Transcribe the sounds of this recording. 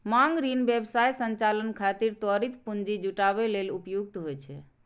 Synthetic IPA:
maŋɡɾinbjebsajsənt͡ʃalənkʰat̪iɾt̪əɾit̪pund͡ʒid͡ʒuʈaβelelupjuɡ̚t̪ɦojt͡ʃʰɛ̰

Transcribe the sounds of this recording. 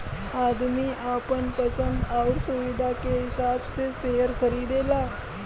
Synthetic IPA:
aːd̪miaːpənpɐsə̃nd̪ɔːʊɾsʊʋɪd̪ʱakeɦɪsaːbseseːɦəɾkɐɾiːd̪eːlaː

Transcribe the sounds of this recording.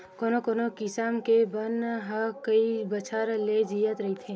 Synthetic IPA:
koːnokoːnokɪsaːmkebɐnɦɐkɐibɐt͡ʃʰaɾled͡ʒijət̪ɾɐɦit̪ʰẽː

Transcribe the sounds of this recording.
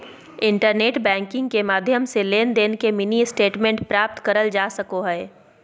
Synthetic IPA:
ɪ̃ɳʈəɾneːʈbɛ̃ːŋkɪ̃ŋɡkemaːd̪ʱjəmseleːnd̪eːnkemɪniɪsʈeːʈmẽɳʈpɾaːp̚t̪kɐɾəld͡ʒaːsɐkoɦɛː

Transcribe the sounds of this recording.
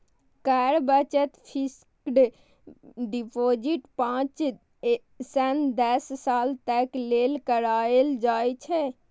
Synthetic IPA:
kɛɾbət͡ʃət̪pʰis | kɖ | ɖipod͡ʒiʈpãt͡ʃ | sɛnd̪ɛssalt̪ɛklelkəɾaeld͡ʒajt͡ʃʰɛ

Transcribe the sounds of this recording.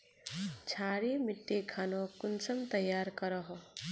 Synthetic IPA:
t͡ʃʰaːɾimɪʈːekʰaːnokʊnsəmt̪ɐjaːɾkəɾəɦo

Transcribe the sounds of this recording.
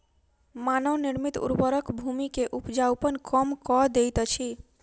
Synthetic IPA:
manəwniɾmit̪ṵɾbəɾəkbʱumikeʔupd͡ʒawpənkɔmkɔd̪ejt̪ɔt͡ʃʰi

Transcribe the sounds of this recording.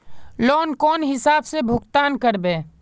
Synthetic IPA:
lɔːnkɔːnɦɪsaːbsebʱʊkt̪aːnkəɾbeː

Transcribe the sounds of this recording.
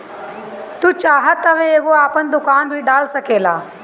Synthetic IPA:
t̪uːt͡ʃaːɦət̪ɐʋeeːɣoaːpənd̪ʊkaːnbʱiɖaːlsɐkeːla̰ː

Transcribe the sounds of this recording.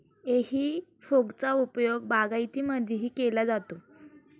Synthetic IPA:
ehiːfoɡt͡saupjoɡbaɡajt̪iməd̪ʱjeɦiːkelad͡zat̪o

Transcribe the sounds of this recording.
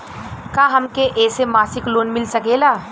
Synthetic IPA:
kaːɦɐmkeʔɛːsemaːsɪkloːnmɪlsɐkeːlaː

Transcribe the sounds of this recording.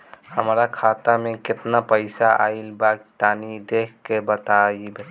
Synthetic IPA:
həmɾakʰat̪amekɪt̪napəɪsaʔa̰ɪlbaɡt̪anid̪ekʰkebət̪aib

